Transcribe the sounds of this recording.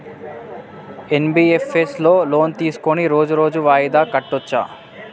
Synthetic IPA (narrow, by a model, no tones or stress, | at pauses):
enbiːefʰeslo̞ːlo̞ːnt̪iːsu̥koniɾo̞ːd͡ʒuɾo̞ːd͡ʒuʋaːjid̪aːkɐʈːot͡ʃːa̰ː